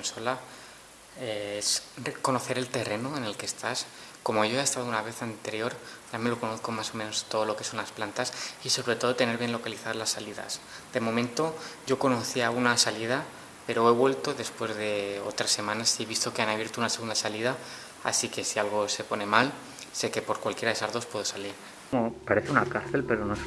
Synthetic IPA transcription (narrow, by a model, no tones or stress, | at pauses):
nso̞la | eeseko̞no̞θe̞ɾe̞lt̪e̞re̞noe̞ne̞lke̞st̪as | ko̞mo̞ʝo̞eest̪að̞ounaβe̞θant̪e̞ɾjo̞ɾ | amelo̞ko̞no̞θko̞maso̞mẽno̞st̪o̞ð̞o̞lo̞ke̞so̞nlasplant̪asiso̞βɾet̪o̞ð̞o̞t̪ene̞ɾβje̞nlo̞kaliθaðlasːaliða̰sd̪e̞mo̞mẽnt̪o̞ɟ͡ʝo̞ko̞no̞θiaunasaliða | pe̞ɾo̞e̞βwe̞lt̪o̞ðe̞spwe̞zðe̞ot̪ɾasːe̞mãnasieβ̞ist̪o̞keanaβje̞ɾt̪ounase̞ɣund̪asaliða | a̰sike̞sialɣ̞o̞se̞po̞ne̞mal | se̞ke̞po̞ɾkwalkjeɾaðe̞sazðo̞spwe̞ðo̞saliɾ | opaɾeθeunakaɾθe̞lpe̞ɾono